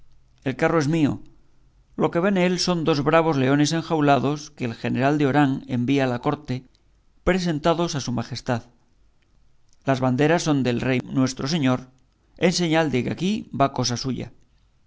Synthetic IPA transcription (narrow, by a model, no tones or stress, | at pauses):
e̞lkaro̞e̞zmio̞̰ | lo̞ke̞βenelso̞nd̪o̞zβɾaβ̞o̞zle̞o̞ne̞s̬e̞ŋxawlaðo̞skeːlxe̞ne̞ɾald̪eo̞ɾaŋe̞mbiaːlako̞ɾt̪e̞ | pɾe̞se̞nt̪aðo̞sasumaxe̞st̪að | lazβand̪e̞ɾasːo̞nd̪e̞lrejnwe̞st̪ɾo̞s̬e̞ɲo̞ɾ | e̞nse̞ɲald̪e̞keakibako̞sasuʝa̰